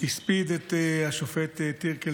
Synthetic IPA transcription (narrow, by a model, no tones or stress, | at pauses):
ispid̪et̪aʃofet̪et̪ːiɾke